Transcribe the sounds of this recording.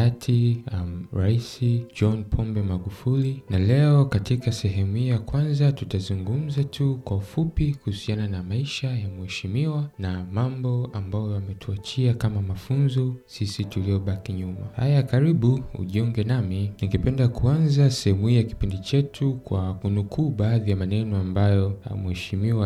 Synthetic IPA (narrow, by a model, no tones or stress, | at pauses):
atʰiamɾaisid͡ʒɔnpʰɔmbɛmaɡufulinalɛɔkatikasɛɦɛmuhijakwanzatutazuŋɡum̩zatʰukwaufupikuhusiananamaiʃajamuɛʃimiwanamambɔambajɔjamɛtʰuat͡ʃiakamamafunzɔsisitulijɔɓakiɲuma̰ha̰jakaɾiɓuṵʄiɔŋɡɛnaminiŋɡɛpɛndakuanzasɛhɛmuhiːjaki̥pindit͡ʃɛtʰukwakunukʰuːɓaːðijamanɛnɔambajɔ̰muɛʃimiwa